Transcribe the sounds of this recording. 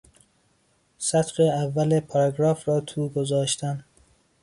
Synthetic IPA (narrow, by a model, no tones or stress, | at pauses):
sæt̪ɾeævːælepʰɒɾɑɡɾɒːfɾɒːt̪ʰuːɡozɒːʃt̪æn